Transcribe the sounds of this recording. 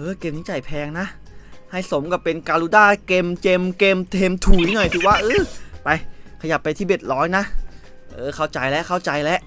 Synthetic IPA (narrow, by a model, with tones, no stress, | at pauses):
ʔɤː˧˩ke˧mniː˦˥t͡ɕa˨˩jpʰɛː˧ŋna˦˥ʔ | ha˥˩jso˩˦mka˧˩pe˧nkaː˧luː˧˦daː˥˩ke˧mke˧mke˧mt̪ʰeː˧mt̪ʰuː˨˩˦i˦˥nɔ˨˩jt̪ʰɯː˨˩waː˥˩ʔɤː˧˩pa˧jkʰa˧ja˨˩pːa˧t̪ʰiː˥˩be˨˩t̪̚lɔː˦˥jna˦˥ʔ | ʔʔɤː˧˩kʰa˥˩wt͡ɕa˧jlɛ˦˥kʰa˥˩wt͡ɕa˧jlɛ˦˥ʔ